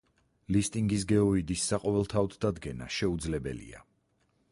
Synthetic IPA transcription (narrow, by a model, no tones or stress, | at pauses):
list̪ʼiŋɡis̬ɡɛɔid̪isːaqʼɔvɛlˠt̪ʰaɔd̪ʰd̪ad̪ɡɛna̰ʃɛud̪zlɛbɛ̰lḭa̰